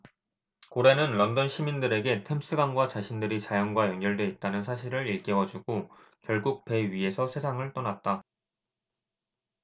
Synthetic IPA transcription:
koɾe̞nɯnlʌndʌnɕʰimindɯɾe̞ɡe̞tʰe̞ms͈ʰɯɡanɡwat͡ɕaɕʰindɯɾit͡ɕajʌŋɡwajʌŋɡjʌɭdwe̞it̚t͈anɯnsʰaɕʰiɾɯɾiɭk͈ewʌd͡ʑuɡo | kjʌɭɡuk̚pe̞ɥie̞sʰʌsʰe̞sʰaŋɯɭt͈ʌnat̚t͈a

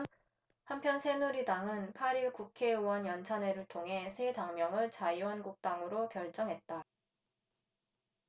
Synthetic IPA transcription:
hampʰjʌnsʰe̞nuɾidaŋɯnpʰaɾiɭkukʰe̞wʌnjʌnt͡ɕʰane̞ɾɯɭtʰoŋɦe̞sʰe̞daŋmjʌŋɯɭt͡ɕaiwʌnɡuk̚t͈aŋɯɾokjʌɭt͡ɕ͈ʌŋɦe̞t̚t͈a

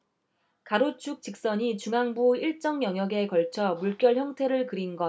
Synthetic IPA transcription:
kaɾot͡ɕʰuk̚t͡ɕ͈ik̚s͈ʌɲit͡ɕuŋaŋbuiɭt͡ɕ͈ʌŋjʌŋjʌɡe̞kʌɭt͡ɕʰʌmuɭk͈jʌɭçjʌŋtʰe̞ɾɯɭkɯɾinɡʌ

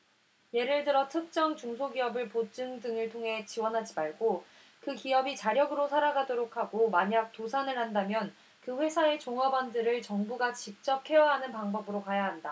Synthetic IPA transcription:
je̞ɾɯɭdɯɾʌtʰɯk̚t͡ɕ͈ʌŋt͡ɕuŋsʰoɡiʌbɯɭpot͡ɕ͈ɯŋdɯŋɯɭtʰoŋɦe̞t͡ɕiwʌnɦad͡ʑimaɭɡo | kɯkiʌbit͡ɕaɾjʌɡɯɾosʰaɾaɡadoɾokʰaɡomaɲak̚tosʰanɯɭhandamjʌn | kɯɸwe̞sʰae̞t͡ɕoŋɦabʌndɯɾɯɭt͡ɕʌŋbuɡat͡ɕik̚t͡ɕ͈ʌp̚ʰe̞jʌɦanɯnpaŋbʌbɯɾokajaɦanda

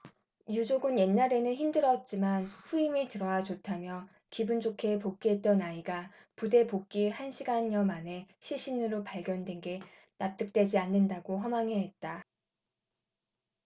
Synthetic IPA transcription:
jud͡ʑoɡɯnje̞nːaɾe̞nɯnçimdɯɾʌt̚t͡ɕ͈imanɸuimitɯɾʌwad͡ʑotʰamjʌ | kibund͡ʑokʰe̞pok̚k͈iɦet̚t͈ʌnaiɡa | pude̞pok̚k͈ihanɕʰiɡanɲʌmane̞ɕʰiɭɕ͈inɯɾopaɭɡjʌndwe̞nɡe̞ | nap̚t͈ɯk̚t͈we̞d͡ʑianːɯndaɡoɦʌmaŋɦe̞ɦet̚t͈a

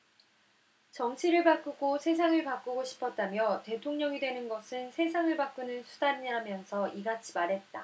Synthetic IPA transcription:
t͡ɕʌŋt͡ɕʰiɾɯɭpak͈uɡosʰe̞s̬ʰaŋɯɭpak͈uɡoɕʰi̥pʰʌt̚t͈amjʌte̞tʰoŋɲʌŋidwe̞nɯnɡʌsʰɯnsʰe̞sʰaŋɯɭpak͈unɯnsʰudaniɲɦamjʌnsʰʌiɡat͡ɕʰi̥maɾɦet̚t͈a

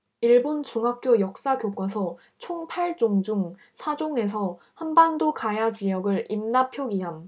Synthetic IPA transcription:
iɭbont͡ɕuŋɦak̚k͈jojʌk̚s͈aɡjok͈wasʰʌ | t͡ɕʰoŋpʰaɭt͡ɕ͈oŋd͡ʑuŋ | sʰad͡ʑoŋe̞s̬ʰʌ | hanbandokajat͡ɕijʌɡɯɭimnapʰjoɡiɦam

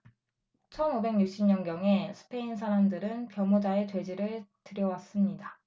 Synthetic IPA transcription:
t͡ɕʰʌnube̞ŋɲuk̚ɕ͈imɲʌnɡjʌŋe̞sʰɯ̥pʰe̞insʰaɾamdɯɾɯnpjʌmud͡ʑae̞t͡ɕwe̞d͡ʑiɾɯɭtɯɾjʌwas͈ɯmɲida

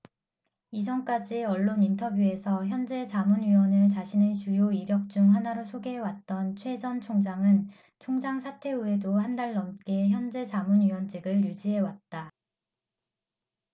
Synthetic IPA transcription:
is̬ʰʌŋk͈ad͡ʑieʌɭːonintʰʌbjue̞sʰʌçjʌnd͡ʑe̞t͡ɕamunɥiwʌnɯɭt͡ɕaɕʰinet͡ɕujoiɡjʌk̚t͡ɕ͈uŋɦanaɾosʰoɡe̞ɦewat̚t͈ʌnt͡ɕʰwe̞d͡ʑʌnt͡ɕʰoŋd͡ʑaŋɯn | t͡ɕʰoŋd͡ʑaŋsʰatʰe̞ue̞dohandaɭːʌmk͈e̞çjʌnd͡ʑe̞t͡ɕamunɥiwʌnd͡ʑiɡɯɭjud͡ʑiɦe̞wat̚t͈a

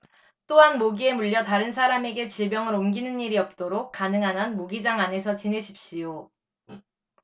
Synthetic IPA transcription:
t͈oɦanmoɡie̞muʎːʌtaɾɯnsʰaɾame̞ɡe̞t͡ɕibjʌŋɯɾomɡinɯniɾiʌp̚t͈oɾok̚k͈anɯŋɦanɦanmoɡid͡ʑaŋane̞sʰʌt͡ɕine̞ɕʰi̥p̚ɕ͈ijo

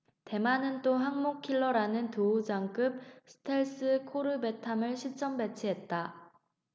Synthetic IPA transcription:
te̞manɯnt͈oɦaŋmok̚kʰiɭːʌɾanɯntoud͡ʑaŋk͈ɯp̚sʰɯ̥tʰeɭs͈ɯkʰoɾɯbe̞tʰamɯɭɕʰit͡ɕ͈ʌmbe̞t͡ɕʰiɦe̞t̚t͈a

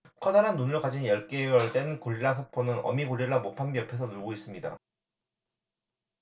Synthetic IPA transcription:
kʰʌnaɾanːunɯɭkad͡ʑinjʌɭk͈ewʌɭd͈e̞nkoɭːiɾasʰopʰonɯnʌ̰mikoɭːiɭːamopʰambiʌpʰe̞sʰʌnuɭɡois͈ɯmɲida̰

